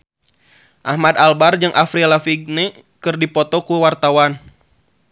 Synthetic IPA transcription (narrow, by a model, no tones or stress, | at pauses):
ʔahmad̪albard͡ʒɨŋʔafɾilafiɡ̚nɛ | kɨrdipɔt̪ɔkuwart̪awan